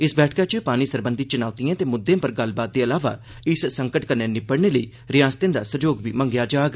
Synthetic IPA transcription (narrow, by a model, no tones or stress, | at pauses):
ɪsbɛːʈʰkaːt͡ʃəpaːñiːsəɾbənd̪it͡ʃʊnaːʊt̪iãːt̪eːmʊd̪ːẽːpəɾɡəlbaːt̪̚d̪eːəlaːʋa̰ː | ɪssə̃ŋkəʈkəɾnẽːnɪpəɽɳeːləiː | ɾɪjãːst̪ẽːd̪aːsəd͡ʒoːɡbḭːmə̃ŋɡjaːd͡ʒaːɡ